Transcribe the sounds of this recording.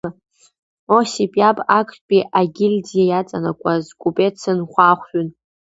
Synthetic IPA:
osipʼjapʼakʷʰʼpʼiʔaɡʲɪlʲdijajat͡sʼanakʷʼazkʷʼupʼet͡sʰɨnχʷaχʷᶣʏn

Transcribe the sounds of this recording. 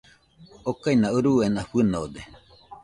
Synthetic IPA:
okainaɯɾuenaɸɨnod̪e

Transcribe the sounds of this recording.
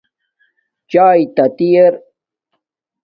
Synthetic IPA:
t͡ɕaːjt̪ɐt̪ijeɾ

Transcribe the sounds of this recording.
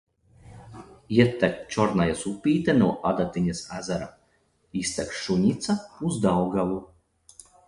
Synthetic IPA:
iɛt̪ːæk̚t͡ʃɔɾnajasupʲiːt̪ɛnuɔʔad̪at̪iɲasazaɾa̰ | ist̪ɛkʃuɲit̪sauzd̪awɡavu

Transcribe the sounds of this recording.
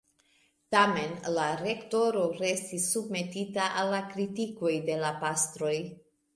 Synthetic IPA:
tame̞nlaɾe̞kto̞ɾo̞ɾe̞stisːub̚me̞titaʔalːakɾitiko̞jde̞lapastɾo̞j

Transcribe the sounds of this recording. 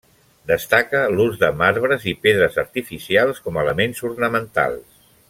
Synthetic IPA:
d̪əst̪akəluzðəmaɾβɾəzipeðɾəzəɾt̪ifisialˠskɔmələmenzurnəmənt̪a̰lˠs

